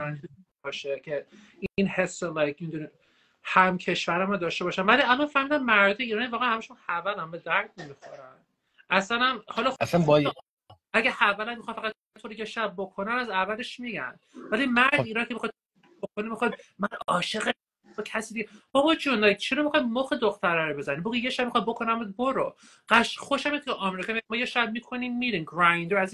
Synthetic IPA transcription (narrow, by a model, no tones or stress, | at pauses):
ɒni | ɒːʃecʰe | iinhesːelɑjkmemid̪uni | hæmcʰe̞ʃvæɾæmad̪ɒːʃte̞bɒːʃænvæliælɒnfæɾmiːd̪ænmæɾd̪ɒjeiːɾɒːnivɒːɣeænhæmæʃunhævælæmbed̪æɾd̪̚nemixoɾæn | ʔæsænæmhɒlɒæsænbɒji | æɡæhævælænmːixɑnfæɣæd̪̚ʰ | t̪ʰoɾijeʃæb̚ːokʰo̞nænæzævæle̞ʃmiɟæ̰n | vælimæɾd̪iːɾɒːcʰemixɑd̪̚ | bokʰonimixɒjd̪mænɒːʃe̞ɣe | bɒːcʰæsiːd̪iɡebɒbɒd͡ʒond̪ɒjt͡ʃʰeɾomixɒjd̪moxed̪oxt̪ʰæɾæɾobe̞zæniboɡijeʃæb̚mixɒjd̪̚bo̞kʰonæmbud̪boɾo | ɢæʃxoʃæmink̪ʰeʔɒmeɾikɒmiimɒːjeʃæb̚mikʰo̞nimːiɾiːmɡɾajnd̪ɾoæz